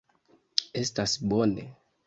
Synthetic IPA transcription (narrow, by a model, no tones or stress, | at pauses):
estasbonḛ